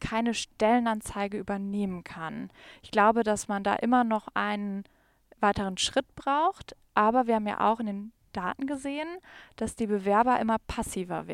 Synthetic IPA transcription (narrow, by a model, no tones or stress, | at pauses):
kʰaɪnəʃtɛlənant͡saɪɡəʔyːbɐneːmənkʰanɪçɡ̥laʊbədasmanda̰ːʔɪmɐnɔχʔaɪnən | vaɪtəʁ̞ənʃʁ̥ɪt̚b̥ʁaʊxtʔaːbɐviːɐhaːm̩ja̰ːʔa̰ʊxɪndeːn | d̥aːtn̩ɡəzeːənd̥asd̥iːbəvɛɐbɐʔɪmɐpʰasiːvɐ̰vɪ̰